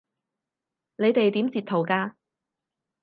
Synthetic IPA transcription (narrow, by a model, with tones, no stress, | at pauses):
ne˨˧jt̪e˨jt̪iː˨˥mt͡si˨t̚t̪ʰo˨wkaː˧